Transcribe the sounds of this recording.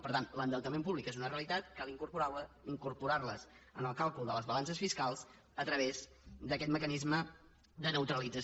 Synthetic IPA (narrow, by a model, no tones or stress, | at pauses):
pəɾt̪anlənd̪əlˠt̪əmẽmpuβlikezunəreəlit̪at̪kalˠiŋkuɾpuɾawə | iŋkuɾpuɾarləz | ənəlˠkalˠkulˠd̪ələzβəlansəsfiskalˠz | ət̪ɾəβez | d̪əkɛt̪məkənizmə | d̪ənəwt̪ɾəlid͡zəs